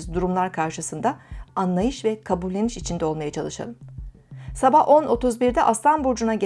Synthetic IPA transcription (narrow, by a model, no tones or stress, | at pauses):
zd̪uɾumlˠaɾkʰaɾʃɯsɯnd̪aanlˠajɯʃvɛkʰabulʲːe̞niʃit͡ʃʰind̪ɛo̞lˠmajat͡ʃʰalˠɯʃa̰lˠɯm | sabahʔo̞no̞t̪ʰuzbiɾd̪ɛʔast̪anbuɾd͡ʒunaɟe